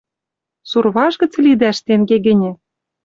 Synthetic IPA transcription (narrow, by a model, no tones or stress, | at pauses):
surβɑʃɣɤ̆t͡slid̪æʃt̪eŋɡeɡɘ̆nʲɘ̆